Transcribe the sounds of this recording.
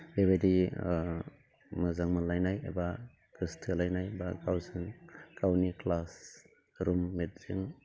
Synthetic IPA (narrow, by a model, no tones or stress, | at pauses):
eβedi | mɯzaŋmɯlajnajḛba | kistʰɯlajnajbaɡawsɯŋkawniklas | ɾumːet̚z̥ɯŋ